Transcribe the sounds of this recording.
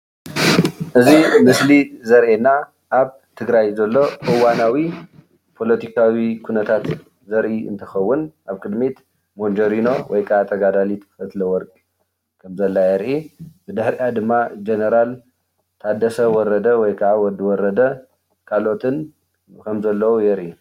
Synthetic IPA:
ʔɨzimɨslizɐɾʔenːa | ʔaβ | t̪ʰɨɡɾajzɐlːo̞ʔɨwanawi | pʰo̞lot̪ʰikʰawikʰunɐt̪ʰat̪ | zɐɾʔiɨ̰nt̪ʰɐxɐwːʊnʔaβkʰɨd̪met̪ | mond͡ʒɐɾino̞wɔjkʰɐʕat̪ʰɐɡad̪alit̪fɐt̪lɐwɔɾkʼ | kʰɐmzɐlːajɛɾʔibɨd̪ɨħɾiʔad̪ɨmːad͡ʒenɐɾal | t̪ʰad̪ɐsɐwɔɾɐd̪ɐwɔjkʰɐʕawɔd̪ːiwɔɾɐd̪ɐ | kʰalo̞t̪ʰɨn | kʰɐmzɐlːɐwujɛɾʔi

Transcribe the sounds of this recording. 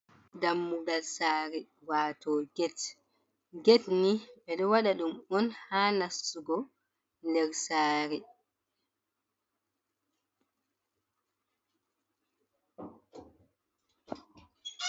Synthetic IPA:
damːuɡalsaːɾi | waːtɔɡɛt | ɡɛtniɓɛɗɔwaɗaɗumɔnhaːnasːuɡɔ | ndɛɾsaːɾi

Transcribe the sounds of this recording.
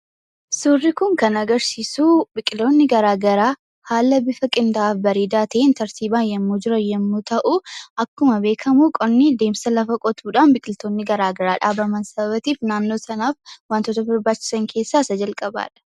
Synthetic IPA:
sʊrːɪkʊŋkɐnɐɡɐɾsiːsuːbɪkʼɪlt̪oːnːɪɡɐɾaːɡɐɾaː | haːlːɐbɪfɐkʼɪnd̪ɐʔaːfbɐɾiːd̪aːt̪ɐʔɪnt̪ɐɾsiːbaːnjɛmːuːd͡ʒɪɾɐjɛmːuːt̪ɐʔʊʔɐkːʊmɐbeːkʰɐmuːkʼɔnːɪd̪e̞ːmsɐlɐfɐkʼɔt̪uːᶑaːnbɪkʼɪlt̪oːnːɪɡɐɾaːɡɐɾaːᶑaːbɐmɐnsɐbɐbɐt̪iːfnaːnːo̞ːsɐnaːfwaːnt̪ɔt̪ɐbɐɾbaːt͡ʃːɪ̥sɐŋkʰe̞ːsːaːsɐd͡ʒɐlkʼɐba̰ːᶑɐ̥

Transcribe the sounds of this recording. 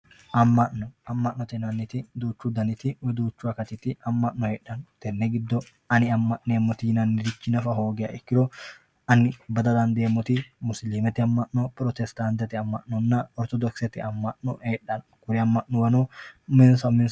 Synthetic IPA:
ʔɐmːɐʔːɔɐmːɐʔnːɔt̪ɛnɐnːɪt̪ɪd̪uːt͡ʃːud̪ɐnɪt̪ɪwɛd̪uːt͡ʃːʊɐkɐt̪ɪt̪ːɪɐmːɐʔːɔheːᶑːɐnt̪ɛnːɛɡɪd̪ːɔ | ɐnɪɐmːɐʔneːmːɔt̪ɪɪnɐnːɪd̪ɪt͡ʃːɪnɐfɐɦo̞ːɡɛɐ̰ʔɛkːɪɾɔ | ɐnɪbɐd̪ɐd̪ɐnd̪eːmːɔt̪ɪmʊsliːmɛt̪ːɪɐmːɐʔːɔpɾɔt̪ɛst̪ant̪ɛt̪ɪɐmːɐ̰ʔnːɔnːɐɔɾt̪ɔd̪ɔksɛt̪ɪɐmːɐʔːɔheːᶑːɐn | kʊɾɛɐmːɐʔnɔwɐnomɪnsɐmɪns

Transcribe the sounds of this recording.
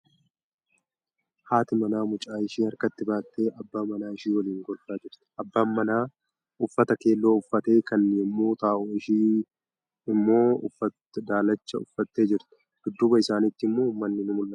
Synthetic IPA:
haːt̪ɪmɐnaːmʊt͡ʃʼaːɪʃiːhɐɾkɐt̪ːɪbaːt̪ːe̞ːʔɐbːaːmɐnaːɪʃiːwɐliːŋɡɔlfaːd͡ʒɪɾt̪ɛ̥ɐbːaːɐnaː | ʊfːɐt̪ɐke̞ːlːo̞ːʊfːɐt̪e̞ːkɐnːeːmːuːt̪aːʔʊɪʃiː | ɪmːo̞ːʊfːɐt | d̪aːlɐt͡ʃːɐʊfːɐt̪ːe̞ːd͡ʒɪɾt̪ɛ̥ | d̪̥ʊd̪ːʊbɐɪsaːnɪt̪ːɪmːomɐnːɪnʊmʊlːɐ

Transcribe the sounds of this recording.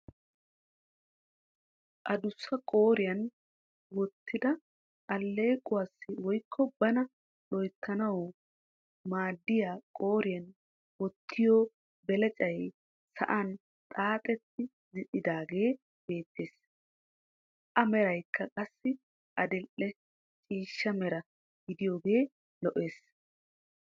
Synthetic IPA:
ʔɐd̪ʊsːɐkʼo̞ːɾɪjɐn | wɔt̪ʰːɪd̪ɐ | ʔɐlːe̞ːkʼʊwasːɪwɔjkʰːɔbɐnɐ | lɔjt̪ʰːɐnɐw | maːd̪ːɪjaːkʼoːɾɪjɐn | wɔt̪ʰːɪjoː | bɛlɛt͡ʃʼɐj | sɐ̰ʔɐn | t̪ʼaːt̪ʼɛt̪ːɪ | zɪɗɪd̪aːɡe̞ː | b̥e̞ːt̪ːe̞ːs | ʔɐmɛɾɐjkʰːɐkʼɐsːɪ | ʔɐd̪ɪlʔːɛ | t͡ʃʼiːʃːɐmɛɾɐ | ɡɪd̪ɪjo̞ːɡeː | lɔʔe̞ːs

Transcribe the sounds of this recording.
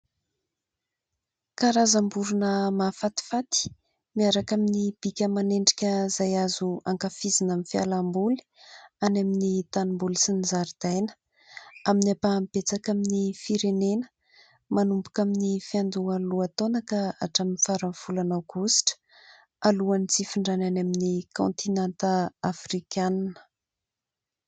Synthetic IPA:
kaɾazambuɾunəmafat̪i̥fat̪i̥ | miaɾakaminib̥ikʲəmaneɳɖ͡ʐikʲəzajazua̰ŋkafizinamifia̰lambuli̥anaminit̪animbulisinizaɾid̪̥ajnə̥ | aminapampet͡sakaminifiɾenenə̥ | manumbukaminifiand̪ualuat̪onakəa̰ʈ͡ʂaminifaɾaɱfulanawɡ̥usi̥ʈ͡ʂə̥ | aluanit͡sifiɳɖ͡ʐananaminikõ̰nt̪ʰinant̪aafrikʲannə̥

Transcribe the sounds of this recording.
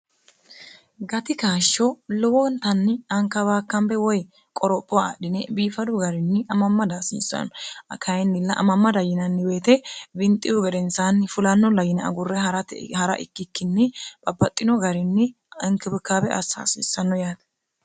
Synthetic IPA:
ɡɐt̪ɪkaːʃːɔlɔwɔnt̪ɐnːɪɐŋkɐbaːkːɐmbɛwɔj | kʼɔɾɔpʼːɔwaɗɪnɛbiːfɐd̪ʊɡɐɾɪnːɪʔɐmɐmːɐd̪asḭːsːɐ̰nɐkʰɐjɪnːɪlːɐʔɐ̰mɐmːɐd̪ɐjɪnɐnːɪweːt̪ɛbɪnt̪ʼːɪjʊɡɛd̪ɛnsaːnːɪfʊlɐnːɔlɐjɪnɛɐ̰ɡʊrːɛhɐɾɐt̪hɐɾɐ̰ʔɪ̰kːɪkːɪnːɪb̥ɐbːɐt̪ʼːɪnɔɡɐɾɪnːɪ | ɪŋkɪbɪkːaːbɛʔɐ̰sa̰ːsḭːsːɐnːɔjaːt̪ɐ̥

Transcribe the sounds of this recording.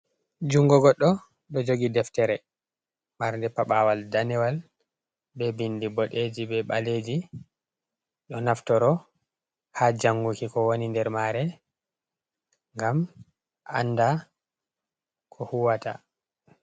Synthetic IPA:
d͡ʒuŋɡɔɡɔɗːɔ | ɗɔd͡ʒoɡidɛftɛɾɛ | maɾndɛpaɓawaldanɛwal | bɛbindibɔɗed͡ʒibɛɓaled͡ʒi | ɗɔnaftɔɾɔ | had͡ʒaŋɡukikɔwonindɛɾmaɾɛ | ŋɡam | a̰nːda | kʰɔhuwata̰

